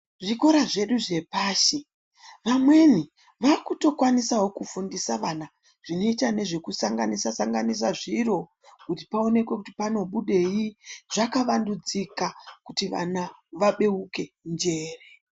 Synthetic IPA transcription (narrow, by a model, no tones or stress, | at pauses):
ʐiko̞ɾaʐe̞ɗuʐe̞paːʃi | ʋamwe̞ni | ʋakuto̞kwanisawo̞kufundisaʋana | ʐ̥ino̞itane̞ʐe̞kusaŋɡanisasaŋɡanis̬aʐiro̞ | kuti̥pao̞ne̞kwe̞kuti̥pano̞ɓuɗe̞jiʐakaʋandud͡zikakutiʋa̰naʋaɓe̞uke̞nd͡ʒe̞ːre